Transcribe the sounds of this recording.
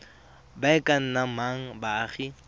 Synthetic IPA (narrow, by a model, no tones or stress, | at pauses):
baɛkʼan̩namaŋ̩baːχi